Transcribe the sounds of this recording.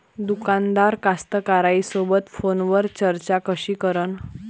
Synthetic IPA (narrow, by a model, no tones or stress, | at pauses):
d̪ukand̪aɾkast̪əkaɾaisobət̪fonʋəɾt͡ɕəɾt͡ɕakəɕiːkəɾən